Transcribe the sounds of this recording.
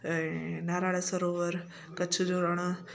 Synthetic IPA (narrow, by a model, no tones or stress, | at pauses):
naːɾaːɽəsɐɾoːʋəɾ | kɐt͡ʃʰʊd͡ʑoːɾɐɽ̃